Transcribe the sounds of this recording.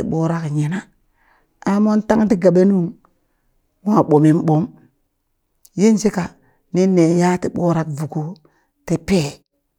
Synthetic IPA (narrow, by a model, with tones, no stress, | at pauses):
ḭ˨ɓo˦ɾa˦kɲe˨na˦ | a˦mo˦nta˦ŋti˦ɡa˨ɓe˦nu˦n | wa˦˨ɓo˨mi˨mɓo˦m | ji˦nsi˦ka˨ | ni˦nːe˨ja˦ti˨ɓo˦ɾa˦kvu˨ku˦ | te˨pe˦˨